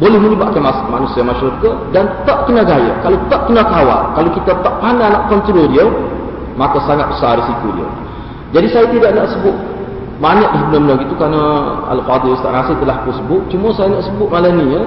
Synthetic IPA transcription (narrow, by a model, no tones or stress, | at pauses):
bolɛhməɲəbaʔ̚kanasmanusiamaʃɾukədant̪aʔkənaɡajə̰kalot̪aʔ̚kənakawa̰lkalokit̪at̪aʔpananaʔkɔnt̪ɾodiəw | makasaŋat̪̚bəsarisikudḭə̰w | d͡ʒadisajat̪idaʔnaʔsəbʊt̪̚ | baɲak̚dabənambənaɡit̪ukanaa̰lfad̪ɪlst̪a̰ʔŋasɪht̪əlahkunsəbʊt̪̚t͡ʃuməsajanaʔsəbʊʔ̪̚malaniɲə